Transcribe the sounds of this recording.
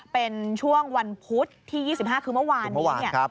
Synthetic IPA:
pe˧nt͡ɕʰu˥˩əŋwa˧npʰu˦˥t̪ʰːiː˥˩jiː˥˩si˨˩p̚haː˥˩kʰɯː˧mɯ˥˩waː˧nːm˥˩˦waː˦˧nʰ˥˩a˦

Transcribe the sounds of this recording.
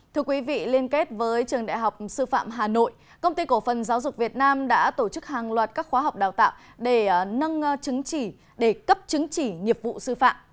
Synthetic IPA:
t̪ʰɨ˧əkwi˨˦vḭ˧˨li˧ənke˦˥t̚vəː˨˦jt͡ɕɨ˨˩əŋɗa̰ː˧˨jɦa˨˩wk͡p̚sɨ˧fa̰ː˧˨mɦaː˨˩no̰˧˨j | kə˧wŋ͡mt̪i˧ko˧˩fə˨˩nzaː˨˦wzʊ˨˩k͡p̚k̚vi˨˩ət̚naː˧mɗa̰ː˧˥t̪o˧˩t͡ɕɨ˦˥k̚haː˨˩ŋlwaː˨˩t̚kaː˦˥k̚xwaː˨˦ɦa˨˩wk͡p̚ɗaː˨˩wt̪a̰ː˧˨w | ɗe˧˩nə˧ŋt͡ɕɨ˨˦ŋt͡ɕi˧˩ | ɗe˧˩kə˦˥p̚t͡ɕɨ˨˦ŋt͡ɕi˧˩ŋi˨˩əp̚vṵ˧˨sɨ˧fa̰ː˧˨m

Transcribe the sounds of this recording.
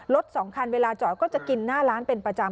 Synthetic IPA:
lo˦˥t̪̚sɔ˩˦ŋkʰa˧nweː˧laː˧t͡ɕɔ˨˩tkɔː˥˩t͡ɕa˨˩ki˧nːaː˥˩ɾaː˦˥npe˧npɾa˧t͡ɕa˧

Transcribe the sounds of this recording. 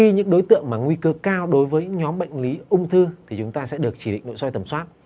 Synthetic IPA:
i˧ɲɨ̰˧˥ŋɗo˨˦jt̪ɨ̰˧˨əŋmaː˨˩ŋwi˧kə˧kaː˧wɗo˨˦jvəː˨˦jɲɨ̰˧˥ɲɔ˨˦mɓa̰˧˨jŋ̟li˨˦ʔʊ˧wŋ͡mt̪ʰɨ˧t̪ʰi˨˩t͡ɕʊ˨˦ŋ͡mt̪aː˧sɛ̰˧˥ɗɨ˨˩ək̚t͡ɕi˧˩ɗḭ̈˧˨ŋ̟no̰˧˨jsɔ˧jt̪ə˨˩mswaː˦˥t̚

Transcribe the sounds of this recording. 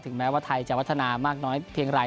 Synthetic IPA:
t̪ʰɯ˩˦ŋmɛː˦˥waː˥˩t̪ʰa˧jt͡ɕa˨˩wa˦˥t̪ʰːa˧naː˧maː˥˩k̚nɔː˦˥jpʰi˧əŋɾaː˧j

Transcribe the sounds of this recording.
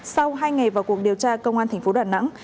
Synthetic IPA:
sa˧wɦaː˧jŋa˨˩jvaː˨˩wku˨˩ək̚ɗi˨˩əwt͡ɕaː˧kə˧wŋ͡mʔaː˧t̪ʰa˨˩ŋ̟fo˨˦ɗaː˨˩na̰˧˥ŋ

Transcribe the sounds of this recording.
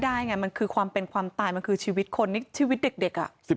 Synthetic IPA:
daː˥˩jŋa˥˩ma˧nkʰɯː˧kʰwaː˧mpe˧nkʰwaː˧mt̪aː˧jma˧nkʰɯː˧t͡ɕʰiː˧wi˦˥t̪̚kʰo˧nːi˥˩t͡ɕʰiː˧wi˦˥t̪̚de˨˩k̚de˨˩k̚ʔa̰˨˩ʔsi˨˩

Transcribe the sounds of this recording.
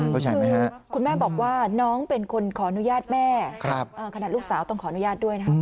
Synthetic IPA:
kʰɔ˥˩t͡ɕʰaː˧˩˧ma˦˥jha˦ʔkʰu˧nmɛː˥˩bɔː˨˩k̚waː˥˩nɔː˦˥ŋpe˧nkʰo˧nkʰɔː˩˦ʔa˧nu˦˥jaː˥˩t̪̚mɛː˥˩kʰɾa˦˧˥p̚ʔɤː˧˩kʰa˧na˨˩t̪luː˥˩k̚saː˩˦wt̪ɔ˥˩ŋkʰɔː˩˦˧nu˦˥jaː˥˩t̪̚du˥˩əjna˥kʰa˥˧˥

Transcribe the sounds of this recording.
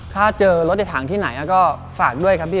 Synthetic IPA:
k̪ʰaː˥˩t͡ɕɤː˧lo˦t̪̚ʔi˧˩t̪ʰaː˩˦ŋt̪ʰiː˥˩na˩˦jʔa˦˧˥kɔː˥˩faː˨˩k̚du˥˩əjkʰa˦˥pʰːiː˥˩

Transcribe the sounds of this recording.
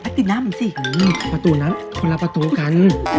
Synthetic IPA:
a˦˥t̪i˧˩naː˧˥˨mɯ˨˧˦nsi˧˩˨pa˧t̪uː˧˦na˦˥mkʰo˧la˧pa˧t̪uː˧˦ka˧˦n

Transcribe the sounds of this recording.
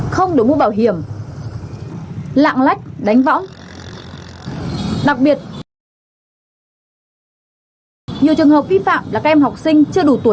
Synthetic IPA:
xə˧wŋ͡mɗo˨˩mu˧˦ɓaː˧˩wɦi˨˧˩əm | la̰ː˧˨ŋla˦˥jk̟̚ɗa˨˦jŋ̟vɔ̰˧˥wŋ͡m | ɗa˨˩k̚ɓi˨˩ət̚ | ɲi˨əwt͡ɕɨ˨˩əŋɦəː˨˩p̚vi˧fa̰ː˧˨mlaː˨˩kaː˦˥ʔɛ˧mɦa˨˩wk͡p̚sï˧ŋ̟t͡ɕɨ˧əɗu˧˩t̪u˨˦

